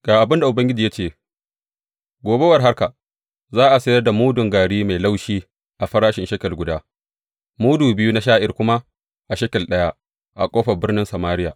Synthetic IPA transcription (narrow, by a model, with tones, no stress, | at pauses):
ɡ̥aː˨ʔa˨bɪ˦nda˨ʔʊ˨bɐ˦ŋɡʲɪ˦d͡ʒiː˨ja˦t͡ʃeː˦˨ | ɡʷoː˨be˦wɐ˨rɦa˦rka˨ | zaː˦ʔa˨sɐ˦jɐ˦rda˨muː˦dʊ˨ŋɡaː˨ɽiː˦ma˨jla˦wʃiː˦ | ʔa˨ɸɐ˦ɾaː˦ʃɪ˨nʃɐ˦kʲɐ˨lɡʷʊ˦daː˦ | muː˦duː˨bɪ˦ju˦na˦ʃaː˦ʔɪ˨rkʷʊ˦ma˦ | ʔa˨ʃɐ˦kʲɐ˨lɗɐ˦ja˦ | ʔa̰˨kʷʼoː˦ɸɐ˨bɪ˦rnɪ˦nsa˨maː˦ɾɪ˦ja̰ː˨